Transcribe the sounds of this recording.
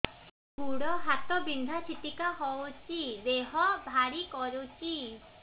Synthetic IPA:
ɡuɽɔɦat̪ɔbind̪ʱat͡ʃʰit̪ikaɦɔwt͡ʃʰibeɦɔbʱaɾikɔɾot͡ʃʰi

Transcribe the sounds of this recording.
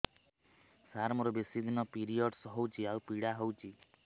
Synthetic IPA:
saɾmɔɾɔbesid̪ʱinɔpiɾijɔɖsɦɔwt͡ʃʰiawpiɽaɦɔwt͡ʃʰi

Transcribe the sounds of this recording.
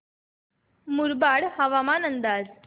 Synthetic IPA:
muɾbaɽhəʋamanənd̪ad͡z

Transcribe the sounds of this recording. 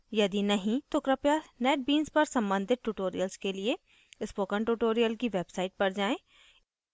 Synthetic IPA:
jɐd̪inɐɦĩt̪okɾɐpjanɛːʈ̚biːnzpɐɾsɐ̃mbə̃nd̪ʱɪt̪̚ʈuːʈoːɾḭjəlzkelie | ɪspoːkəɳʈuːʈoːɾijəlkiʋeːbsaːɪʈ̚pɐɾd͡ʒaːẽː

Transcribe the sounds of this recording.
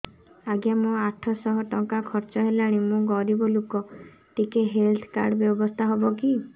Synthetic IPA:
aɡjamɔ̃aʈʰɔsɔɦɔʈɔŋkakʰɔɾt͡ʃɔɦelaɽ̃imũɡɔɾibɔlukɔ | ʈikeɦelt̪ʰka̰ɾɖɔbjɔbɔst̪ʰaɦɔbɔki

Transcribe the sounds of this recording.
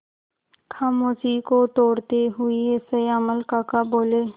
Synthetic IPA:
kʰaːmoːsikot̪oːɽt̪eɦʊieseəməlkaːkaboːleː

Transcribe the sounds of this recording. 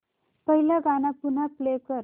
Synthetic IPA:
pəɦiljaɡanapun̤aplekəɾ

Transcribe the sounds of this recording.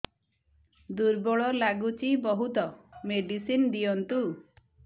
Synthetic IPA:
d̪uɾbɔɭɔlaɡut͡ʃibɔɦut̪ɔmeɖisind̪ijɔnt̪u

